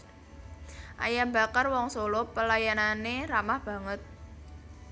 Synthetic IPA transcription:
ʔa̰jamba̤karwɔŋsolopəlajananeramahb̥ä̤ŋət̪̚

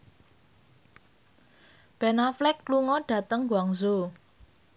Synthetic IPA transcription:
b̥ɛnaflɪkluŋɔɖ̥ä̤t̪əŋɡwaŋzo

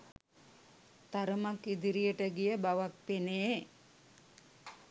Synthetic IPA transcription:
t̪aɾəmakid̪iɾijəʈəɡijəbaʋak̚peneː

